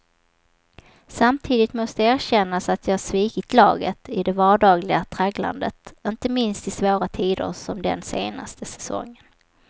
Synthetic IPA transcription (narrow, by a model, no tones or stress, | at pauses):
samt̪ʰiːd̪ɪt̪mɔst̪əæːɾɕɛnːasat̪jɑːhaʂviːkɪt̪ʰlɑ̰ːɡət̪ɪd̪ɛvɑːɖɑːɡlɪɡat̪ʰɾaɡla̰nd̪ət̪ɪnt̪əmɪnst̪ɪsvoːɾat̪ʰiːd̪ə̰ɾsɔmd̪ɛ̰nseːna̰st̪ʰəsɛ̥sɔ̰ŋːən